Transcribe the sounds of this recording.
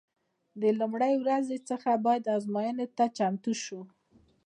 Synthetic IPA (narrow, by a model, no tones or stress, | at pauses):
d̪əlumɽajwɾazet͡səxabɑjad̪ɑzmɑjənot̪at͡ʃamt̪uʃu